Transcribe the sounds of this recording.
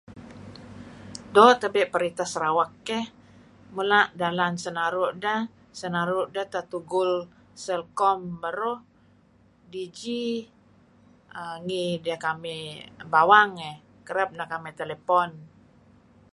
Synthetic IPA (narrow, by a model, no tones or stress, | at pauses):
dɔt̪əbɛʔpəɾit̪asɾawakːɛh | mulaʔdalansənaɾuʔdə | sənaɾuʔdət̪at̪uɡul | səlkɔmbəɾuh | did͡ʒi | əŋidiakamibawaŋɛh | kəɾəp̚nakamɛt̪elepɔn